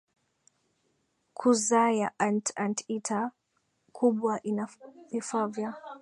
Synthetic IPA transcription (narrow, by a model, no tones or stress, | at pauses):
kʰuzajaʔantantitʰa | kʰuɓwaʔinavifavja